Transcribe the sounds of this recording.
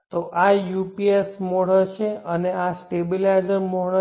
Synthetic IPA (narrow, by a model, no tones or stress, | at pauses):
t̪oʔajupiesmoɽət͡ʃʰeəneasʈebilajzəɾmoɭə